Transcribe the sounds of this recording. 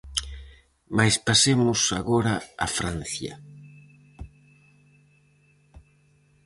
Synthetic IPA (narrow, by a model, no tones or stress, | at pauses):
majspasemʊsaɣoɾaa̰fɾan̟θjɐ̰